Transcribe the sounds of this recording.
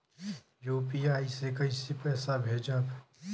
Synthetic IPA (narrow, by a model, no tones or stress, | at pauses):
juːpiaːisekɐɪsepɛːsabʱeːd͡ʒab